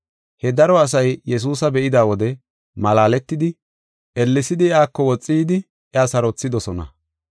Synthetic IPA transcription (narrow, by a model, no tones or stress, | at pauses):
hɛd̪ɐɾɔɐs̬ɐjjɛs̬uːsɐbɛʔɪd̪aːwɔd̪ɛ | mɐlaːlɛt̪ːɪd̪ɪ | ʔɛlːɪsɪd̪ɪɪaːkːɔwɔt͡sʼːiːd̪ɪ | ɪasɐɾɔt͡sːɪd̪ɔsɔnɐ̰